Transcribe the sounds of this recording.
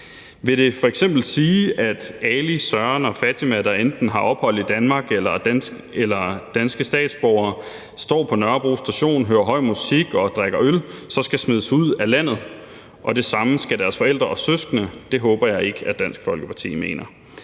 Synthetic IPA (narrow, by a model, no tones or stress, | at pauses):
ʋe̝ɾe̝fɒ̽eɡ̥sem̰b̥l̩siːæd̥ælisɶɐnɒ̽fæt͡sʰimæɾɐend̥n̩ɦɑ̈ʔɒ̽b̥hɒ̽l̰id̥ænmɑ̈ːɡ̥elɐ | elɐd̥ænsɡ̥əsd̥ɛ̰ːd̥sb̥ɒʊɐ | sd̥ɒ̰ːpʰɒ̽nɶɐb̥ʁuːsd̥æɕo̝̰ːnɦøːɐɦɒ̽ɪ̰musiɡ̥ɒ̽d̥ʁaɡ̥ɐølsɒ̽sɡ̥æsme̝ðˠəsuð̰ˠælæn̰ð̞̩ˠ | ʔɒ̽d̥e̝sɑ̈məsɡ̥ædæɐsfɒ̽el̰d̥ʁɐɒ̽søsɡ̥nəd̥e̝ɦɔ̽ːb̥ɐjɑ̈ɪe̝ɡ̥əæd̥æn̰sɡ̥fɒ̽lɡ̥əpʰɑ̈t͡sʰḭːme̝̰ːnɐ